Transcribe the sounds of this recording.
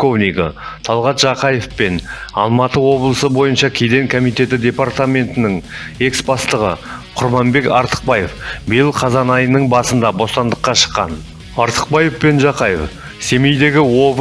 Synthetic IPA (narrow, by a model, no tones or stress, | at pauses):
kovniɡɪ̰ | t̪ʰɑlˠʁɑt̪ʒ̥ɑqɑje̞fpe̞nɑ̰lˠmɑt̪əwo̞blˠəsəbo̞jənʃɑkʲʰejd̪e̞ŋkʰomijt̪e̞t̪ɪd̪ʲe̞part̪amʲe̞nt̪ɪnɪŋ | e̞ksbɑst̪əʁə̰qʰʊɾmɑmbe̞kɑ̰ɾt̪ə̥q̚bɑje̞fbɪjelˠqʰɑzɑnɑjənəɴbɑsənd̪ɑbo̞st̪ɑnd̪əqːɑʃə̥qːɑ̰n | ɑɾt̪ə̥q̚bɑje̞fpe̞nʒɑqɑjḛf | se̞mejd̪e̞ɡʲɪwo̞v